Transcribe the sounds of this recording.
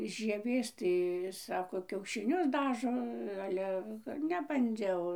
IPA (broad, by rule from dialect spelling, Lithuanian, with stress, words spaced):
ʒʲiɛˈʋʲeːs ˈtɐɪ ˈsɑːkoː kʲɛʊʃʲɪˈnʲʊs ˈdɑːʒoː ˈɑːlʲɛ nʲɛbɐnʲˈd͡ʒʲɛʊ